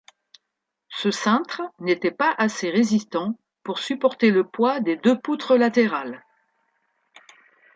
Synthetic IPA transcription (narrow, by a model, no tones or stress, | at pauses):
səsɛ̃t̪χnet̪ɛpaʔaseʁezist̪ɑ̃ | puʁsypɔʁt̪eləpwad̪ed̪øput̪χəlat̪eʁal